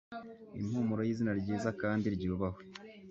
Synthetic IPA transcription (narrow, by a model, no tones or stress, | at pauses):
ḭm̥humuɾo̞jiːzinaɾɟiːzakaːndiɾɟuːβaho